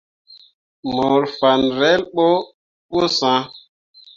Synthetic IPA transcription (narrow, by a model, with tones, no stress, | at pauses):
mo˨ɾfa˨nɾɛ˦lɓo˦ | ɓo˦sã˦